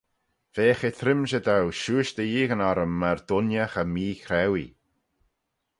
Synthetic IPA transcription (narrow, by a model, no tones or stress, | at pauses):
v̥eːxet̪ʰɾɪmʃəd̪awʃuːʃd̪əjiːɣənaɾəmːaɹd̪ʊnjəxəmiːxɾɛwi